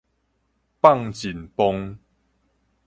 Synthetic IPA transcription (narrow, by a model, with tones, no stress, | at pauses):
pa˥˨ŋt͡ɕi˨˩npɔ˧ŋ